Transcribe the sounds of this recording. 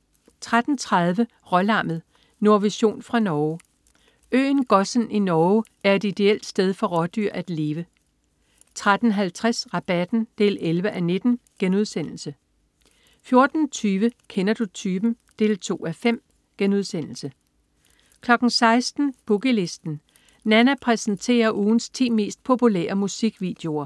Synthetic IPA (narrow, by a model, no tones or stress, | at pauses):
t͡sʰʁad̥n̩t͡sʰʁɑð̞ˠʋə | ʁɒlɑ̈mð̩ˠ | no̝ɐʋiɕo̝̰ːnfʁɑ̈nɒː | ø̰ːnɡ̥ɒ̽sninɒː | æɐe̝d̥id̥e̝el̰d̥sd̥eð̞ˠfɒ̽ʁɒd̥yɐ̰ʔæd̥le̝ːʋə | t͡sʰʁad̥n̩ɦælt͡sʰʁasʁɑ̈b̥æd̥n̩d̥e̝ːlelʋəʔæne̝d̥n̩ɡ̥enuð̞ˠsen̰l̩sə | fjo̝ɐd̥n̩t͡sʰyːʋəkʰenɐd̥ut͡sʰyːb̥n̩ | d̥e̝̰ːlt͡sʰo̝̰ːæfem̰ | ɡ̥enuð̞ˠsen̰l̩sə | kʰlɒ̽ɡ̥n̩sɑ̈ɪsd̥n̩b̥uɡ̥əle̝sd̥n̩ | nænæpʰʁɛsn̩t͡sʰe̝̰ːɐʔuːn̩st͡sʰḭːme̝̰ːsd̥̚pʰo̝pʰulḛːɐmusiɡ̥ʋḭːd̥e̝o̝ɐ